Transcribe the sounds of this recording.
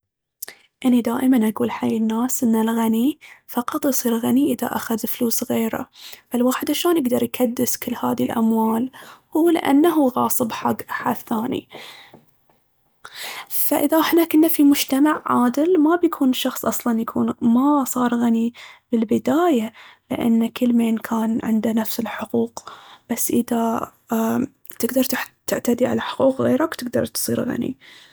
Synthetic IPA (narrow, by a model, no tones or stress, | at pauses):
ʔɪnːid̪aːʔɪmanʔaɡuːlħajːɪnːaːsʔɪnːalɣanifɑqɑt̪ˤjsˤiːɾɣaniʔɪða̰ʔa̰xaðfluːsɣeːɾa̰falwaːħɪd̪ʕaʃaːnjɪɡd̪ɑɾˤjkʰad̪ːɪskɪlːha̰ːðilʔa̰mwaːlhuːlɪ̰ʔa̰nːaɦuɣɑːsˤɨbħaɡħaθaːnḭ | faʔɪðaʔɪħnakʔɪnːafimʊd͡ʒt̪amaʕːaːd̪ɪlmabjakʰuːnʃɑxsˤʔɑsˤlɑnjakʰuːnmasˤɑːɾˤɣanibɪlbɪd̪aːjalɪ̰ʔa̰nːakɪlmeːnkʰaːnʕɪ̰nd̪anafsɪlħʊquːqb̥asːʔɪða | t̪ɪɡd̪ɑɾˤt̪t̪ɪʕt̪ad̪iʕa̰laħʊ̥quːqɣeːɾakt̪ɪɡ̚d̪ɑ̰ɾˤt̪sˤḭːɾɣa̰nḭ